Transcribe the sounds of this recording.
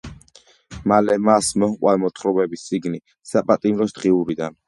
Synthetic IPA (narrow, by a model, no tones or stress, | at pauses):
malɛmasmɔmqʼwamɔt̪ʰχɾɔbɛbist̪sʼiɡni | sapʼat̪ʼimɾɔsd̪̥ʁiuɾid̪an